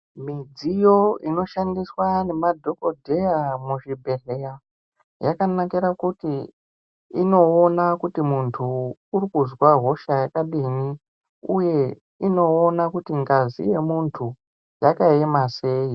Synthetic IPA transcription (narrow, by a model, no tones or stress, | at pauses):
mid͡zijo̞ino̞ʃandiswane̞madʱo̞ko̞dʱe̞jamuʐibʱe̞ɮeja | jakanakiɾakuti | ino̞ːnakutimuntʰuːrikuzwaɦo̞ʃajakaɗini | uje̞ | ino̞ːnakutiŋɡazḭje̞muntʰu | jakaemase̞i